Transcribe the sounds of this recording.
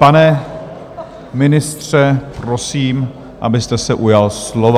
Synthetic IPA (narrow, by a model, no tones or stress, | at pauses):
panɛ | mɪnɪst̪r̝̥ɛpɾosiːm | ʔa̰bɪst̪ɛsɛʔujalslova